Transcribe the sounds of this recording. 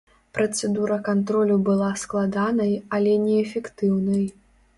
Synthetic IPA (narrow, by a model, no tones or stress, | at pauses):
pɾɐt̪sɛd̪uɾɐkant̪ɾɔlʲubɨlˠasklˠad̪anɐjɐlʲɛnʲɛːfʲɛkt̪ɨwnɐj